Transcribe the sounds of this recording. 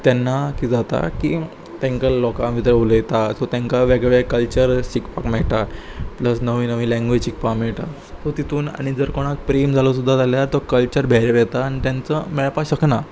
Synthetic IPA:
t̪jɛnːakid͡zat̪a̰ki | t̪ɛ̃ŋkalɔkãmit̪ɾəuləjt̪at̪ɔt̪ɛ̃ŋkaʋɛɡʋekəlt͡ɕəɾɕikpakmɛɭʈapləsnəʋiːnəʋĩlɛ̃ŋɡʋet͡ɕik̚pamɛɭʈa̰ | t̪ɔt̪it̪ʰuːna̰ɽ̃id͡zəɾkɔɽ̃ak̚pɾemd͡zʱalos̬ud̪ʱːat̪aljat̪ɔkəlt͡ɕəɾbʱɛɾeʋɛt̪aːnit̪jãnt͡səmɛɭpaɕəkna

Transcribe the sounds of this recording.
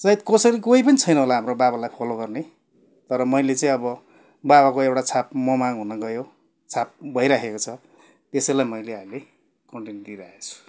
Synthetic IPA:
sʌid̪kʌsʌɾikoipʌnit͡sʰʌjnʌɦolaɦamrobaβalajpʰoloɡʌrne | t̪ʌɾʌmʌjlet͡sãĩʌbʌ | baβakoewʈat͡sʰap̚mʌmaŋɦunʌɡʌjo | t͡sʰap̚bʱʌiɾakʰekot͡sʰʌ | t̪esʌjlajmʌjleɦamile | kʌɳʈend̪iɾaet͡sʰu̥

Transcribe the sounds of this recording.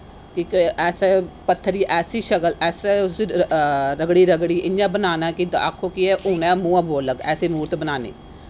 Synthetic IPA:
kikɛːseːpət̪ʰːəɾiːʔɛːsiːʃəkəlɛːses | ɾəɡɽiːɾəɡɽiːʔɪnãːbənaːnaːkid̪a̰kʰːoːkiɛːʔʊːnɛ̃ːmũːãːboːləkɛːsiːmuːɾt̪bənaːnḭː

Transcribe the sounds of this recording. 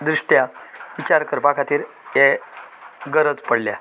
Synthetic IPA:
d̪ɾiʂʈjaʋit͡ɕaɾkəɾpakʰat̪iːɾ | je | ɡəɾəd͡zpəɽlja

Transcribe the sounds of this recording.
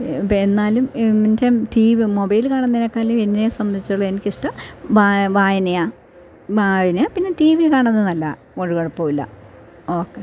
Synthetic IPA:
pːenːaːlummindɐmtiʋimobɐjilkaːɳɐnːinɐkːaːlumenːesɐmːɐnd̪ʱit͡ɕːɐɭːɐenikʲːiʂʈɐmʋaʋaːjɐnɐjaː | ʋaːjɐnɐjaːpinːetiːʋikaːɳɐnːɨnɐlːɐ̰ | koɻukoɻɐpːoːilːɐ̰ | oːkːe

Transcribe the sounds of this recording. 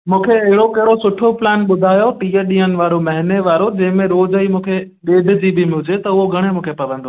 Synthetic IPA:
mũːkʰeɐɦɪɽokɐɦɪɽosʊʈʰoplɛːnɓʊd̪ʱaːjoʈiːəɗĩːənɪ̆ʋaːɾomɐɦɪneʋaːɾod͡ʑɐ̃ɦɪ̃mẽɾoːd͡ʑəimũːkʰeɗeːɖ̪ʱɪ̆d͡ʑibɪmɪɦʊd͡ʑet̪ɐʊɦoɡʱɐɽ̃emũːkʰepɐʋə̃nd̪oː

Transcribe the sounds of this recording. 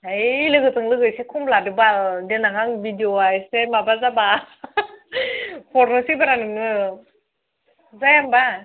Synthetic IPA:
ajlɯɡɯtɯŋlɯɡɯsekʰumbladɯbaldenaŋaŋbidioajsemabazaba | pʰɔɾnɯsibaɾanɯŋɯ | zajamba

